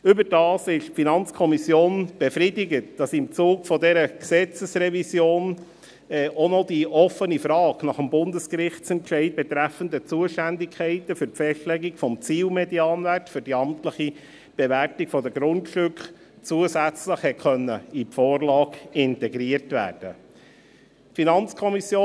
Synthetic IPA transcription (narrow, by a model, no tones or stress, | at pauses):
ʏbəɾd̥ɑːsɪʃfinɑnt͡skʰɔmisjoːnb̥efɾidɪɡətd̥ɑsɪmt͡suːkfɔdɛɾəksɛt͡səsɾɛvisjoːn | ɛʔonɔd̥iʔɔfənifɾɑːɡnɑχəmbʊndəskɾɪχtt͡sɛntʃɛɪt̚bɛt̪ɾæfənd̪ət͡suəʃtændɪkʰɛɪtəfʏɾfɛʃtlɛɡikfɔmt͡siːlmɛdiɑːnværtfʏɾd̥iɑmtləχi | b̥ɛværtikfɔd̪əɡɾʊntʃtʏkχ | t͡suəsæt͡sləχhɛtχœnːəifoːrlɑːkɪntɛɡɾiərtvæ̰ːrd̥ə | tfinɑnt͡skʰɔmisjoː